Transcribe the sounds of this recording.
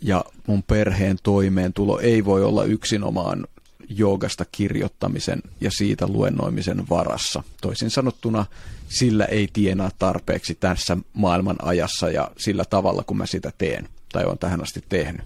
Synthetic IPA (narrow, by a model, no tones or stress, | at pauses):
jɑmumperheːnt̪oimeːnt̪ulo̰ʔeiʋoio̰lːɑ̰ʔyksino̰mɑ̰ːn | joːɡɑst̪ɑkirjo̰t̪ːɑmisḛnjɑsiːt̪ælṵḛnːo̰imisenʋɑrɑ̰sːɑt̪oisinsɑnot̪ːunɑsilːæ̰ʔeit̪ienæːt̪t̪ɑrpḛːksit̪æsːæmɑilmɑnʔɑ̰jɑsːɑjɑ̰silːæt̪ɑʋɑlːɑkumʔæsit̪æt̪ḛːnt̪ɑijo̰ːnt̪æhænɑst̪it̪ːehny